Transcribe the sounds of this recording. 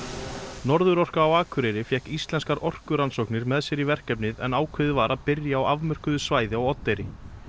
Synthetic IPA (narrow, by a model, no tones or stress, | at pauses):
nɔɾðʏɾɔr̥kaːwaːkʰvʏɾejɾɪfjɛhkist̪lɛnskaɾɔr̥kʏɾansɔhknɪɾmɛðsjɛɾivɛr̥kɛpnɪðɛ̰naːwkʰvɪðɪvaːɾaðpɪɾjaːwavmœr̥kʏðʏsvaːjðɪaɣɔt̪ːejɾɪ